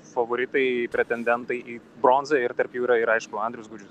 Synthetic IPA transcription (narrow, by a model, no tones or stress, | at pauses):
fɐʋoːɾʲɪt̪ɐɪpʲɾʲɛt̪ʲɛnʲd̪ʲɛnt̪ɐɪʔiː | bɾoːnzɐɪɾt̪ɐɾpjuːɾɐɪɾɐɪʃkʊɐnd̪ʲɾʲʊsɡʊːd͡ʒʲʊs